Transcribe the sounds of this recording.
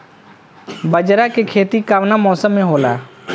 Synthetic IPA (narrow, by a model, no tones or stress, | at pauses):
bəd͡ʒɾakekʰeːt̪ikaːʋnamɔːsəmːẽɦoːla̰ː